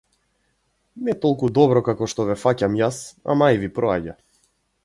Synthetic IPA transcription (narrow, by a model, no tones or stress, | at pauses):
nɛt̪ɔlˠkud̪ɔbɾɔkakɔʃt̪ɔvɛfacamjasa̰majvipɾɔaɟa̰